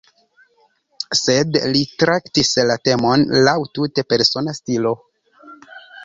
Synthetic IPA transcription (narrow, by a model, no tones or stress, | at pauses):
se̞dlitɾaktislate̞mo̞nlawtute̞pe̞ɾso̞nastilo̞